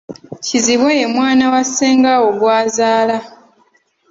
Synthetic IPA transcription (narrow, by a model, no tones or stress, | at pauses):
ciziβwejemwaːnawaseːŋɡawo̞ɡwaːzaːla